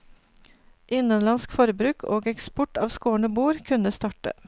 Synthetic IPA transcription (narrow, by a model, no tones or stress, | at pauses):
ʔɪnənlɑnskfɔɾbɾʉːkʰo̰ːɡɛkspʊʈɑːʋskoːɳəbuːɾkʰʉnəst̪ɑːʈə̰